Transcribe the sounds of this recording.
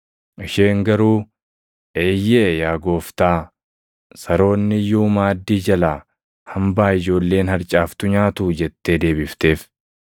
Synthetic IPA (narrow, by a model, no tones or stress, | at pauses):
ʔɪʃe̞ːŋɡɐɾuː | eːjːejaːɡo̞ːft̪aː | sɐɾo̞ːnːɪjːuːmaːd̪ːiːd͡ʒɐlaː | hɐmbaːɪd͡ʒo̞ːlːe̞ːnhɐɾt͡ʃʼaːft̪ʊɲaːt̪uːd͡ʒɛt̪ːe̞ːd̪e̞ːbɪft̪e̞ːf